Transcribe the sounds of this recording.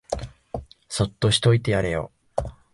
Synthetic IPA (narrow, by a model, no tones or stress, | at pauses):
so̞t̪ːo̞ɕi̥t̪o̞it̪e̞jaɾe̞jo̰